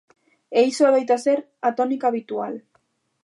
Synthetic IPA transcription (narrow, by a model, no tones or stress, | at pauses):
ejsoaβajt̪ase̞ɾ | at̪o̞nikaβit̪ual